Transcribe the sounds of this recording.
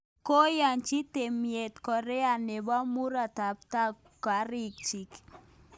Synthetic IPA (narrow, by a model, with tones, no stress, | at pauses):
ko˦ja˨nt͡ʃi˦te˨mie˨t̪kɔ˨ɾɛ˦a˨ne˨ba˦mu˦ɾa˨ta˨p̚ta˦ | ka˨˦ɾi˦k̚t͡ʃi˨k